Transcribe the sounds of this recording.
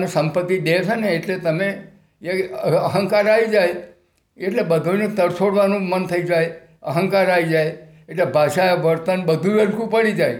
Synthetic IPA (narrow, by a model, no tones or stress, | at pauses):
nesəmpət̪ːid̪esʰəneːʈlet̪əme | eəɦə̃ŋkaɾaid͡ʒaj | eʈlebəd̪ʱunet̪əɾsoɽʋanũmənt̪ʰəid͡ʒaj | əɦə̃ŋkaɾaid͡ʒaj | eʈlebʱaʃajaʋəɾt̪ənbəd̪ʱuəlkũpəɽid͡ʒaj